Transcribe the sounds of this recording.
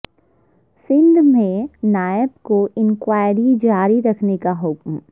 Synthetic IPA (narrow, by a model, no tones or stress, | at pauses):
sɪ̃nd̪ʱmẽnaːəbkoɪ̃nkwaːɪɾid͡ʒaːɾiɾɐkʰnekaɦʊkm